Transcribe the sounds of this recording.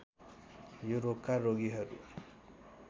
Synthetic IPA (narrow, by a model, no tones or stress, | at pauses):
juɾop̚kaɾoɡiɦʌɾṵ